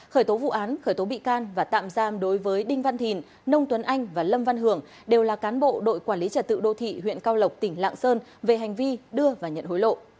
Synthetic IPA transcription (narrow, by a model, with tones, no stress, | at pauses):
xəː˧˩jt̪o˨˦vṵ˧˨ʔaː˨˦nxəː˧˩jt̪o˨˦ɓḭ˧˨kaː˧nvaː˨˩t̪a̰ː˧˨mzaː˧mɗo˨˦jvəː˨˦jɗï˧ŋ̟va˧nt̪ʰi˨˩n | nə˧wŋ͡mt̪wə˨˦nʔa˧jŋ̟vaː˨˩lə˧mva˧nɦɨ˧˩əŋ | ɗe˨˩wlaː˨˩kaː˨˦nɓo̰˧˨ɗo̰˧˨jkwaː˧˩li˨˦t͡ɕə˨˩t̚t̪ɨ̰˧˨ɗo̰˧˨t̪ʰḭ˧˨ɦwḭ˧˨ənkaː˧wlə˨˩wk͡p̚t̪ï˧˩ŋ̟la̰ː˧˨ŋsəː˧nve˨˩ɦa˨˩jŋ̟vi˧ɗɨ˧əvaː˨˩ɲə̰˧˨nho˨˦jlo̰˧˨